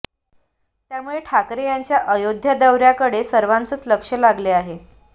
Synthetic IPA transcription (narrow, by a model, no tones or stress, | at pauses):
t̪jamuɭeʈʰakɾejaɲt͡ɕjaʔəjod̪ʱjəd̪əwɾjakəɽesəɾʋant͡sət͡sləkʂəlaɡleaɦe